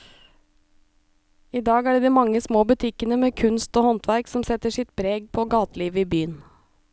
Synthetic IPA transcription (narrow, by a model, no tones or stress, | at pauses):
iːd̪ɑːɡæːɖeːd̪iːmɑŋəsmoːbʉt̪ʰɪkənəmeːkʰʉnst̪oːhɔnt̪ʰʋæɾksɔmsɛt̪əʂɪt̪bɾeːɡ̚pʰoːɡɑːt̪liːʋəiːbyːən